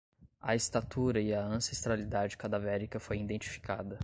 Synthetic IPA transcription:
ɐest̪at̪uɾɐiɐɐ̃sest̪ɾalid̪ad͡ʒɪkad̪avɛɾikɐfojĩd̪ẽnt͡ʃi̥fi̥ka̰d̪ɐ

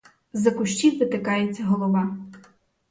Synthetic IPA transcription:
zɐkʊʃt͡ʃʲiwʋɪt̪ɪkɑjet͡sʲːɐɦɔlˠɔʋɑ

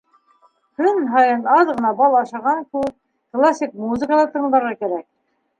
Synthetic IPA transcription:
kɵnɦɑjɤnɑðʁɤ̆nɑbɑlˠɑʃɑʁɑŋkʉp̚ | klˠasʲik̚muzɨ̆kəlˠɑt̪ɤ̆ɴd̪ɑɾʁɑkæɾæk̚

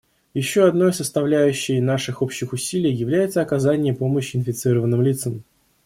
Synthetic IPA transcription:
jɪɕːoɐd̪no̞jsəst̪ɐvlʲæjʉɕːɪjənaʂɨxo̞pɕːɪxʊsʲilʲɪjjɪvlʲæjɪt̪səɐkɐzanʲɪjəpo̞məɕːɪɪnfʲɪt̪sɨɾəvənːɨmlʲit̪səm

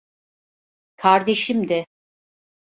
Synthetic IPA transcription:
kʰaɾd̪e̞ʃimd̪ɛ

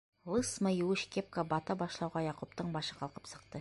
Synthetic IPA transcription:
lˠəsmajwuʃkʲep̚kabɑt̪ɑbɑʃlˠɑwʁɑjɑqup̚t̪əɴbɑʃəqʰɑlˠqə̥psə̥q̚t̪ə

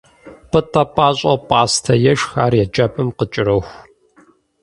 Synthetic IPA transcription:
pʼɨtʼɐpʼaːɕʼɐpʼaːstʰɐjɛʃxaːrjɛd͡ʒɐpʼɨmqət͡ʃʼɪɾɐxʷ

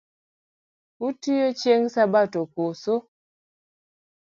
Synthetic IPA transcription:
utijot͡ʃeŋsabatokoso

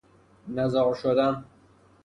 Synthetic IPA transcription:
næzɒːʃod̪æn

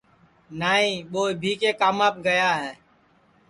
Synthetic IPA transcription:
naːɦĩːɓoːbʱiːkeːkaːmaːp̚ɡəjaːɦɛː

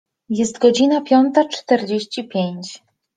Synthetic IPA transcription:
jɛst̪ɡɔd͡ʑinapʲjɔnt̪at͡ʂt̪ɛɾd͡ʑeɕt͡ɕipʲjeɲt͡ɕ

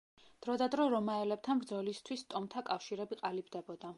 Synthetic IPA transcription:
d̪̥ɾɔd̪ad̪ɾɔɾɔmaɛlɛb̚t̪ʰanbɾd̪zɔlist̪ʰwist̪ʼɔmt̪ʰakʼafʃiɾɛbiqʼalibd̪ɛbɔd̪a

